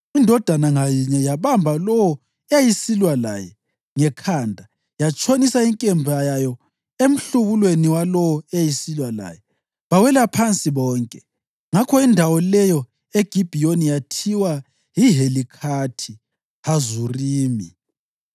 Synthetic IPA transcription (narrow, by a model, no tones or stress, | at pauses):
indʱɔd̥ʱanaŋajiɲɛjaβambʱalɔwɔ | ɛajisilwala̰jɛ | ŋɛkʰaːndʱa | jat͡ʃʼonisaiŋkʼɛmbʱajajɔ | em̩ɬuβulweniwalɔwɔɛajisilwala̰jɛ | βawɛlapʰant͡sʼiβɔːŋkʼɛ | ŋakʰɔindʱawɔlɛjɔ | eɡ̥ʱib̥ʱijonijatʰiwa | jiɦelikʰatʰi | hazuriːmi